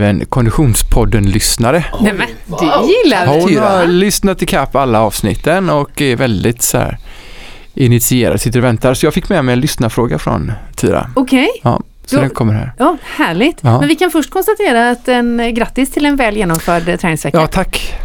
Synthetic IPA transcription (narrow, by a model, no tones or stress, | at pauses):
vənkʰɔnd̪ɪɧuːnspʰɔd̪ːənlʏsnaɾənɛmɛd̪ɪlːahaɾʊnaɾlʏsnat̪ʰːɪlkʰapːalːaɑːvsnɪ̰t̪ːənɔkɛɾvɛld̪ɪt̪sɔæ̰ːɾ | ʔɪnɪt̪sɪeːɾa̰d̪sɪt̪ːəɾɔvɛnt̪aɾsɔjɑːɡfɪkːmɛmɛjɛnlʏsnafɾoːɡafɾɔ̰nt̪ʰḭːɾa̰ʊkʰɛjɑ̰ː | sɔd̪ɛnkʰɔmːəɾɦæ̰ːɾɑːhæːɭɪɡt̪ɑːɛnvɪkanfœʂʈ̚kʰɔnst̪at̪ʰeːɾaːt̪ɛnɡɾat̪ːɪst̪ʰɪlɛnvɛːljeːnɔmfœːɖt̪ʰɾɛːnɪŋsvɛkjɑaːt̪ʰakː